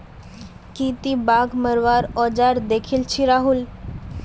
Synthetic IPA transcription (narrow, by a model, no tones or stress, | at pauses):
kit̪ibaɡməɾʋaɾɔd͡ʑaɾd̪ekʰiːlt͡ɕʰiɾaɦul